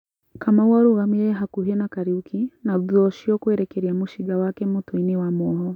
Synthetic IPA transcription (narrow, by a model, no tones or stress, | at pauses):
kamawaɾuɣamiɾɛɦakuɦɛnakaɾiukʰinavɔʃiɔkwɛɾɛkɛɾiamuʃiɡawakɛmutuiniwamɔɦɔ